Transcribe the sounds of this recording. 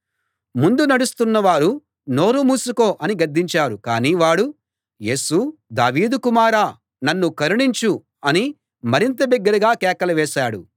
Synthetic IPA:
mund̪unɐɽust̪unːɐʋaːɾu | no̞ːɾumuːsukoːʔɐniɡɐɾd̪ːiɲt͡ʃaːɾukaːniːʋaːɽu | je̞ːsud̪a̰ːʋiːd̪ukumaːɾaː | nɐnːukɐɾiɳiɲt͡ʃu | ɐni | mɐɾint̪ɐbɛɡːɐɾɐɡaːkɛːkɐlɐʋɛːʃaːɽṵ

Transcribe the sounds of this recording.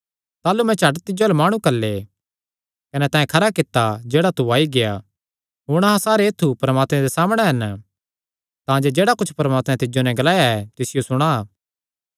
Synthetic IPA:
t̪aːlumɛ̃t͡ʃɐʈt̪ɪd͡ʒolemaːɽ̃ũkɐlːe | kɐnɛt̪ãːɛ̃kʰɐɾakɪt̪ːad͡ʒeːɽat̪uaːiɡeja | ɦʊɽ̃ɐɦãsaːɾeeːt̪ʰːupɾɐmaːt̪mɛ̃d̪esaːmɽ̃eɦɐn | t̪ãːd͡ʒed͡ʒeːɽakʊt͡ʃʰpɐɾɐmaːt̪mɛ̃t̪ɪd͡ʒonɛ̃ɡɐlaːjaɛt̪ɪsɪjosʊɽ̃a

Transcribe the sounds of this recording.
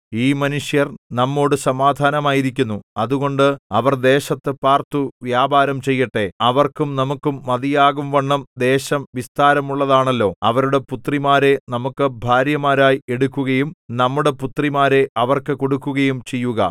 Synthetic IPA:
iːmɐnuʂjɐrnɐmːo̞ːɽɨsɐmaːd̪ʱaːnɐmaːjiɾikʲːunːuɐðuɣo̞ɳɖɨɐʋɐrd̪e̞ːɕɐt̪ːɨpaːrt̪uʋjaːbaːɾɐmt͡ɕe̞jːiʈːe̞ɐʋɐrkumnɐmukːumːɐðijaːɣumʋɐɳːɐmd̪e̞ːɕɐmʋist̪aːɾɐmuɭːɐðaːɳɐlːo̞ːɐʋɐɾuɽe̞put̪rimaːɾe̞nɐmukːɨbʱaːɾjɐmaːɾaːjie̞ɽukːuɣɐjumnɐmːuɽe̞put̪rimaːɾe̞ɐʋɐrkɨko̞ɽukːuɣɐjumt͡ɕe̞jːuɣɐ̰

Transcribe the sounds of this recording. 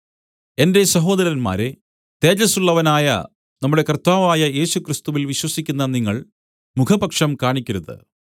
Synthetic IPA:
e̞nde̞sɐɦo̞ːd̪ɐɾɐnma̰ːɾe | t̪e̞ːd͡ʑɐsuɭːɐʋɐnaːjɐ̰ | nɐmːuɽe̞kɐrt̪aːʋaːjɐje̞ːɕukrist̪uʋilʋiɕwɐsikʲːunːɐniŋːɐɭ | mukʰɐbɐkʂɐmkaːɳikʲːuɾɐðɨ̰

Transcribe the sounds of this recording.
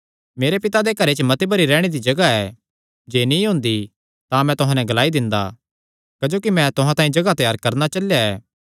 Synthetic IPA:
meːɾepɪt̪ad̪ekɐɾet͡ʃmɐt̪ebɐɾiɾɛːɽ̃ed̪id͡ʒɐɡaɛ | d͡ʒeːnĩɦʊ̃ːnd̪i | t̪ãmɛ̃t̪ʊɦãnɛ̃ɡɐlaːid̪ɪ̃nd̪a̰ | kɐd͡ʒoːkimɛ̃t̪ʊɦãt̪ãːĩd͡ʒɐɡat̪ɛjaːɾkɐɾnat͡ʃɐljaɛː

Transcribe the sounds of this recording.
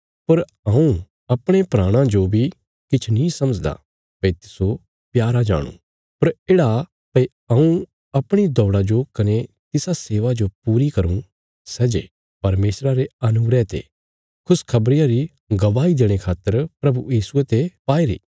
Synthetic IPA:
pɐɾ | ɐ̃ũ | ɐpɽ̃epɾaːɽ̃ãd͡ʒobʱi | kɪt͡ʃʰnĩsɐməd͡ʒd̪a̰ | pɐit̪ɪ̥so | pjaːɾad͡ʒa̰ːɽ̃ṵ̃ | pɐɾeːɽa | pɐi | ɐ̃ũ | ɐpɽ̃id̪ɔːɽad͡ʒokɐne | t̪ɪsaseːʋad͡ʒopuːɾikɐɾũ | sɛd͡ʒḛ | pɐɾmeːsɾaɾeɐnʊɡɾɛt̪ḛ | kʰʊskʰɐbɾɪjaɾi | ɡɐʋaːid̪eːɽ̃ekʰaːt̪ːəɾpɾɐbujiːsuet̪epaːiɾḭː

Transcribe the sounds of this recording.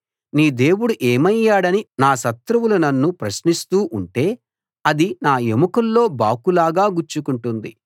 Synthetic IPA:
niːd̪e̞ːwuɽuʔeːmɐjːaːɽɐninaːʃɐt̪ɾɐʋulunɐnːupɾɐʃnist̪uːʔuɳʈe̞ː | ɐd̪inaːemukɐlːo̞ːbaːkulaːɡaːɡuɾt͡ʃːukuɳʈund̪ḭ

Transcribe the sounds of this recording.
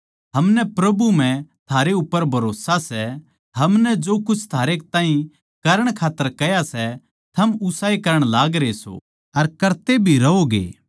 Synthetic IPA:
ɦɐmnɛpɾɐbum̤ɛ̃t̪ʰaːɾeʊpːəɾbʱɐɾoːsasɛ | ɦɐmnɛd͡ʒoːkʊt͡ʃʰt̪ʰaːɾek̚t̪ãːɦĩ | kɐɾəɽ̃kʰaːt̪ːəɾkɛjasɛ | t̪ʰɐmʊsaːikɐɾəɽ̃laːɡɾeso̰ː | ɐɾkɐɾt̪ebʱiɾɐɦoɡḛː

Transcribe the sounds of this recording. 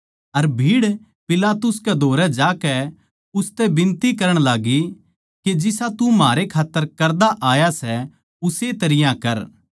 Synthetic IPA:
ɐɾbʱiːɽ | pɪlaːt̪ʊskɛd̪ʱoːɾɛd͡ʒaːkɛ | ʊst̪ɛbɪ̃nt̪ikɐɾəɽ̃laːɡi | ked͡ʒɪsat̪ũmaːɾekʰaːt̪ːəɾkɐɾd̪aʔaːjasɛ | ʊset̪ɐɾɪjãkɐɾ

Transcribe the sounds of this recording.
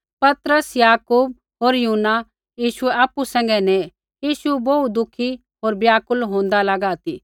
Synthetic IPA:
pɐt̪ɾəsjaːkuːb̚ | ɦoːɾjuɦnːa | jiːʃuɛaːpusɛ̃ːŋ̆ɡɛnɛ | jiːʃuboud̪ʊkʰi | ɦoːɾbjaːkʊlɦõːnd̪alɐɡaːt̪ḭ

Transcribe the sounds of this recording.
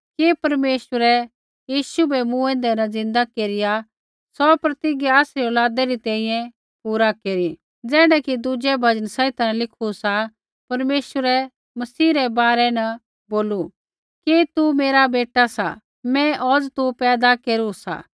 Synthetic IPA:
kepɐɾmeːʃʋəɾɛ | jiːʃubɛmũɛ̃ːnd̪ɛnɐd͡zɪ̃nd̪akeːɾɪja | sɔpɾɐt̪ɪɡeaːsɾiɔːlaːd̪ɛɾit̪ɛ̃ːĩjɛ̃ | puːɾakeːɾi | d͡zɛːɽ̃ɛkid̪ud͡ʒɛbʱɐd͡ʒənsɛɪt̪anlɪkʰusa | pɐɾmeːʃəɾɛ | mɐsiːɾɛbaːɾɛnɐ | boːlu | ket̪umeːɾabeːʈasa̰ | mɛ̃ʔɔːd͡zt̪upɛːd̪akeːɾusa̰

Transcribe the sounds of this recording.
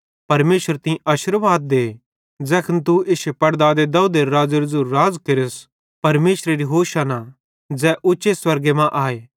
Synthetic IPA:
pɐɾmeːsəɾt̪ɪ̃ĩʔɐʃɪɾʋaːd̪̚ːeː | d͡zɛːkʰənt̪̬uɪsepɐɽd̪ad̪ed̪ɐud̪eɾɾaːd͡ʒɐɾzuɾːaːd͡zkeɾɪs | pɐɾmeːʃɾeɾiɦoːʃana | d͡zɛːʔʊːʃeswɐɾɡemãʔaːeː

